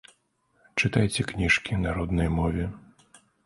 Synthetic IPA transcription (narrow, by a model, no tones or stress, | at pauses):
t͡ʂɨt̪ajt͡sʲɛknʲiʂkʲinaɾɔd̪nɐjmɔvʲɛ